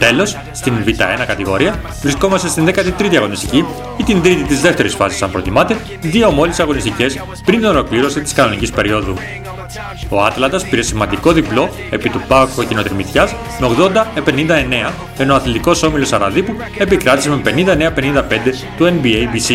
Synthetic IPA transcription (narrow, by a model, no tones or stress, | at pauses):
t̪e̞lo̞s | st̪invit̪ɐ̰e̞nɐkɐt̪iɣo̞ɾiɐ | vɾisko̞mɐst̪est̪inðekɐt̪it̪ɾit̪iɐɣo̞nist̪ici | it̪ind̪ɾit̪it̪izðe̞ft̪e̞ɾisfɐsi̥sɐmpɾo̞t̪imɐt̪e̞ | ðio̞mo̞lisɐɣo̞nist̪ice̞s | pɾint̪ino̞lo̞kliɾo̞sit̪i̥skɐno̞nicispe̞ɾio̞ðu | o̞ɐt̪lɐnd̪ɐspiɾe̞simɐnd̪iko̞ðiplo̞ | e̞pit̪upɐkocinot̪eɾmit̪çɐs | meoɣðo̞nd̪ɐepe̞nind̪ɐe̞ne̞ɐ | e̞noɐθlit̪iko̞so̞milo̞sɐɾɐðipu | e̞pikɾɐt̪iseme̞pe̞nind̪ɐeneɐpe̞nind̪ɐpe̞nd̪e̞ | t̪uenbiejbisi